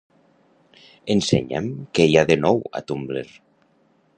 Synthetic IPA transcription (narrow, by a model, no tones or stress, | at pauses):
ensḛɲḛmkejaðenɔwa̰t̪umbleɾ